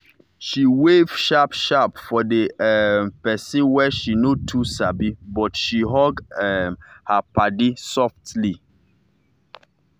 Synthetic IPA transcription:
ʃiwev̥ʃapʃapfɔdeɛmpɛsĩnwɛʃinotʰusabibɔtʃiɦɔɡɛmhapadisɔftli

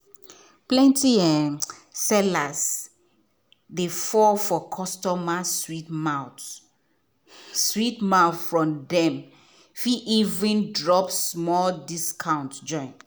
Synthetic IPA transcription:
plɛ̃ntiɛsɛlas | defɔfɔkʰɔstɔmaswitmaʊ | switmaʊθfɹɔ̃mdɛ̃m | fiʔivɹĩndɹɔpsmɔldiskʰãʊ̃ntd͡ʒɔ̃ɪ̃n

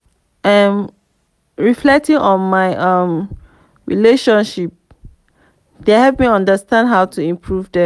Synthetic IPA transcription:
ʔãm | ɹiflɛk̚tĩŋʔɔ̃nmaɪʔʌ̃m | ɹḭleʃɔ̃nʃip̚ | d̥ehɛvmiãndəstãndɦaʊtʰuĩmpʰɹuvdɛ̃

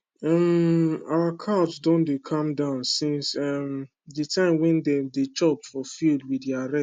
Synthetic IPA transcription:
amawakʰabsdɔ̃ndekʰãmdãʊ̃nsĩnsam | ditʰãɪ̃mwɛ̃ndɛ̃mdet͡ʃɔpfɔfilˠdwidiaɹɛ

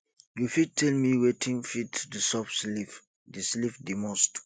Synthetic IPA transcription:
jufid̚tʰɛlmiwetʰĩŋfitdəsɔpslif | dislifdimɔ̃st

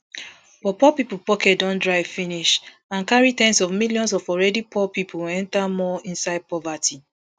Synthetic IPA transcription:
fɔpɔpipupɔkɛtdɔ̃ndɹaɪvfĩniʃ | ãnkaɹitɛ̃nsɔvmiljɔ̃ns̬ɔfɔɹɛdipʰɔpipʰuɛ̃ntamɔĩnsaɪd̚pɔvatʰi

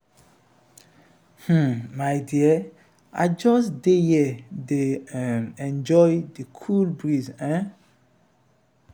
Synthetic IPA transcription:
h̩majdiɛ | ʔa̰d͡ʒɔsdejɛdemɛ̃nd͡ʒɔjdikʰulbɹizɛ̃

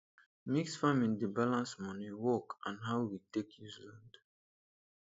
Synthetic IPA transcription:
miksfamĩndibalãnsmɔniwɔkãnɦawwitekʰjulãnd

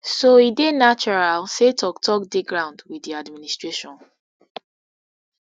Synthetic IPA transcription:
soidenat͡ʃɔɹalsetɔk̚tʰɔk̚deɡɹãʊ̃ndwiiadministɹeʃɔ̃n

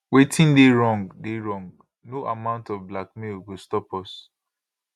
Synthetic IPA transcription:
wetʰĩndeɹɔ̃ŋɡdeɹɔ̃ŋɡ | noʔamãʊ̃ntɔvblakmilwɪstɔpɔs

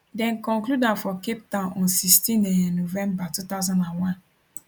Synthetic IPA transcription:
dɛ̃nkɔ̃ŋkludafɔkep̚tãnʔɔ̃nsistĩnejɛ̃nːovɛ̃mbatut̪aʊzãnãnwãn

